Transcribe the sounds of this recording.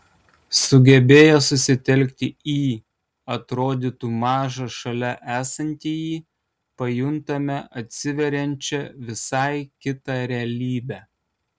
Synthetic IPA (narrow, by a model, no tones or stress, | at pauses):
sʊɡʲɛbʲeːjosʊsʲɪt̪ʲɛlʲkʲt̪ʲɪiː | ɐt̪ɾoːd̪ʲit̪uːmɑːʒɐʃɐlʲɛʔæːsɐnʲt̪ʲiːjiː | pɐjʊnt̪ɐmʲɛʔɐt̪ʲsʲɪʋʲɛɾʲɛnʲt͡ʃʲɛʋʲɪsɑɪkʲɪt̪ɑɾʲɛɐlʲiːbʲæː